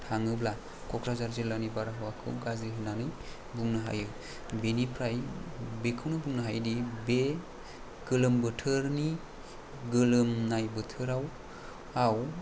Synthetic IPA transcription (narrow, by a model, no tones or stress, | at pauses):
tʰaŋɯbla | kʰɔkʰɾazaɾzelanibaɾaɦawakʰɯ̰wɡaziɦɯnanɯj | buŋnɯɦa̰jɯ | benipʰɾajbekʰɯwnɯbuŋnɯɦajdibe | ɡ̥ɯlɯmbɯtʰɯɾni | ɡɯlɯmnajbɯtʰɯɾaw | aw